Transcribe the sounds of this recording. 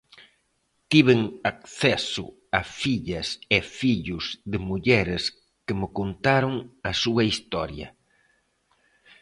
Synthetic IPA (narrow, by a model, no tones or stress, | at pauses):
t̪iβ̞eŋakθɛsʊ̰ | ɐfiʎɐsɪfiʎʊzðɪmuʎɛɾɪs | kɪmɪkont̪aɾoŋɐsuɐist̪ɔɾjɐ̰